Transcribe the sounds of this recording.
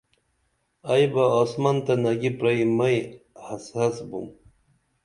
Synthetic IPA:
ajbaːsmant̪anɐɡipɾaimɐjhasasbṵm

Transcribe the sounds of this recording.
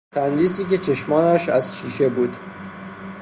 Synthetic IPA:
t̪ʰænd̪iːsiːce̞t͡ʃʰe̞ʃmɒːnæʃæz̥ʃiːʃe̞buːd̪̥

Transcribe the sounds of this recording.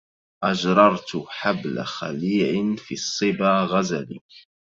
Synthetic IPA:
ʔad͡ʒɾˤɑɾˤt̪ħabla̰xaliːʕɪnfiːsˤːɨbaːɣazalḭ

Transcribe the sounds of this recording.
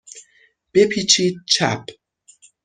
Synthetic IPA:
b̥e̞pʰiːt͡ʃʰiːd̪̚t͡ʃʰæ̰p

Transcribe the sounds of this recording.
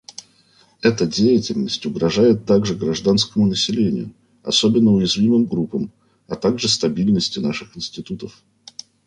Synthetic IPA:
ɛt̪ədʲejɪtʲɪlʲnəsʲtʲʊɡɾɐʐajɪt̪ːaɡʐɨɡɾɐʐd̪anskəmʊnəsʲɪlʲenʲɪ̰jʊ̰ | ɐ̰sobʲɪnːəʊjɪzvʲimɨmɡɾupəm | ɐt̪aɡʐɨst̪ɐbʲilʲnəsʲtʲɪnaʂɨxɪnsʲtʲɪt̪ut̪əf

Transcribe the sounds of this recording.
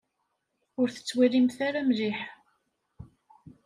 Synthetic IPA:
ʊɾθə̥t͡sːwiɾimθaɾamliħ

